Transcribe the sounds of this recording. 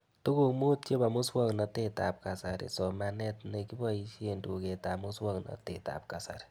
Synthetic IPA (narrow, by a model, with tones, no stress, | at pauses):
tu˦ku˦kmu˦t̚t͡ʃe˦ba˨mu˦swɔ˦ŋna˧te˦ta˨p̚ka˨saɾḭ˨sɔ˨ma˧nɛ˦tne˧ki˦bɔ˦i˧ʃe˧ndu˨ke˧ta˨mu˦swɔ˦ŋnɔ̰˨te˨ta̰˨p̚ka˨sa̰˨ɾi̥˨